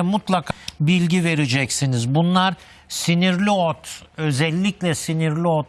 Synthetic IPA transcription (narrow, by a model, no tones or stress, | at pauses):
mut̪lˠakʰbilʲɟive̞ɾid͡ʒɛcsinizbunlˠaɾ | siniɾlʲiot̪ø̞zɛlʲːiclʲɛsiniɾlʲiot̪̚